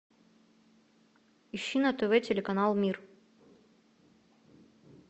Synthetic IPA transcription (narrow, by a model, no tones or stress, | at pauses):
iɕːinɐt̪ɨvɛtʲelʲekɐnalˠmʲir